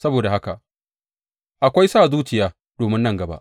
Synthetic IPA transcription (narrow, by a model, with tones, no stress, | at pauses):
sɐ˦boː˨da˨ha˦ka˨ʔ | ʔa˨kʷa˦jsaː˦˨zuː˦t͡ʃɪ˨jaː˦ | doː˨mɪ˦nːɐ˦˨ŋɡɐ˨ba̰˦ʔ